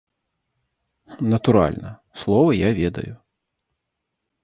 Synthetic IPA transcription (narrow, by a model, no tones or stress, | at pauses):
nɐt̪uɾa̰lʲnɐslˠɔvɐjavʲɛd̪ɐ̰ju